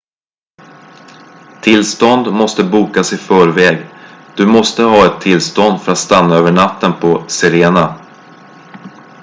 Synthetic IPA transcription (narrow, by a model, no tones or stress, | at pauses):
t̪ʰɪlst̪ɔnd̪mɔst̪əbuːkasɪfœːɾvɛːɡd̪̥ɵmɔst̪əɦɑːɛt̪ʰːɪlst̪ɔnd̪fœɾat̪st̪anːaøːvəɳat̪ːənpʰɔsɛɾeːna